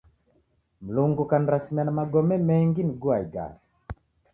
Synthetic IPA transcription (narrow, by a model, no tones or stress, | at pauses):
m̩luŋɡukaniɾasimianamaɡɔmɛmɛŋɡiniɡuaiɡa̰ɾi